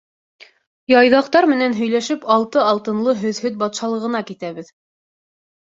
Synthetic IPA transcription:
jɑjðɑqt̪ɑɾmɘ̆nænɦɵ̆jlæʃɘpɑlˠt̪ɤɑlˠt̪ɤ̆nlˠɤɦɵ̆ðhɵðbɑt̪ʃɑlˠɤ̆ʁɤ̆nɑkit̪æβɘð

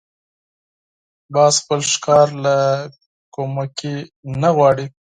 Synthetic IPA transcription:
bɑːzxpəlʃkɑɾla | komakinaɣwɑɽi

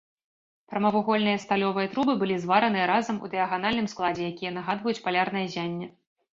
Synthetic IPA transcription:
pɾɐmɐvuɣɔlʲnɨjɐst̪alʲɔvɨjɐt̪ɾubɨbɨlʲizvaɾɐnɨjɐɾazɐmṵd̪ɨjɐɣan̪alʲnɨmsklˠad͡zʲɛjakʲijɐnɐɣad̪vɐjut͡sʲpalʲarn̪ɐjɐzʲanʲːɛ

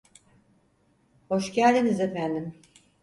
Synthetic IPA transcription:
ho̞ʃɟælʲd̪inizefænd̪im

